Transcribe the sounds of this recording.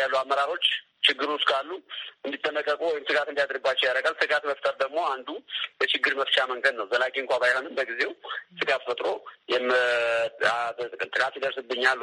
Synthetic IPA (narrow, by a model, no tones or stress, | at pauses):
alːuamːəɾaɾo̞t͡ʃː | t͡ʃɪɡːɨɾuʊst̪kʼalːuɨnd̪it̪ʼːənəkʼːəkʼuwɔjɪmsɨɡat̪ɨnd̪ijad̪ɨɾɨbːat͡ʃːɛwjaɾəɡalsɨɡat̪məft̪ʼəɾd̪əɡmo̞and̪ujɛt͡ʃɪɡːɨɾməft͡ʃaməŋɡəd̪nəwzəlakʼeŋkʷʼabajho̞nɨmbəɡize̞wsɨɡat̪fət̪ʼɾo̞jɛmɨ | at̪t̪ʼɨkʼɨnt̪ɨkʼat̪jɛd̪əɾsɨbːɨɲːal